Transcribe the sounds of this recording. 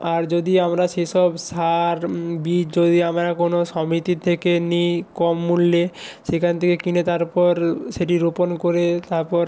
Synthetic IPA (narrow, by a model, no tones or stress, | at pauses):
aɾd͡ʑod̪iamɾaʃeʃɔbsaɾbid͡ʑod̪iamɾakonoʃɔmit̪it̪ʰekenikɔmːulːeʃekʰant̪ʰekekinet̪aɾpɔɾʃeʈiɾoponkoɾet̪aɾpɔɾ